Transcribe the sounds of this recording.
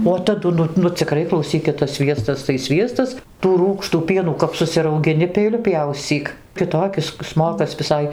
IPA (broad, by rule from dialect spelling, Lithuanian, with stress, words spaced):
oː tɐˈdʊ ˈnʊ nʊ t͡sʲɪˈkrɐɪ klˠɐʊˈsʲiːkʲɪt tɐs ˈsʲʋʲiɛstɐs tɐɪ ˈsʲʋʲiɛstɐs tuː ˈruːkʃtuː ˈpʲiɛnuː kɐp sʊsʲɪrɐʊɡʲɪˈnʲɪ pʲɛɪˈlʲʊ ˈpʲjɛʊsʲt͡sʲiːk kʲɪˈtoːkʲɪs ˈsmoːkɐs ʋʲɪˈsɐɪ